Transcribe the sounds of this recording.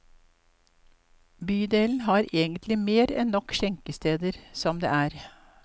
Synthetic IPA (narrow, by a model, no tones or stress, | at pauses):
byːd̪eːln̩ɦɑːɾeːɡənt̪ʰlɪmeːɾɛ̰nnɔkʃɛŋkəst̪eːd̪əɾsɔmd̪ḛːæːɾ